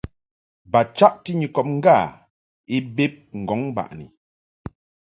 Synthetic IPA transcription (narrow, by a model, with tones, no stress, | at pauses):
ba˨t͡ʃa˦ʔti˦ɲi˨kɔ˨p̚ŋ̩˦ɡa˦˨ | i˦be˦p̚ŋ̩˨ɡɔ˨˦ŋ˦ba̰˨ʔnḭ˨